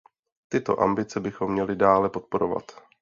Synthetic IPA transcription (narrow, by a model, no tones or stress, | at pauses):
t̪ɪt̪o̞̰ʔa̰mbɪt͡sɛbɪxo̞mːɲɛlɪdaːlɛpo̞t̪po̞ɾo̞va̰t̪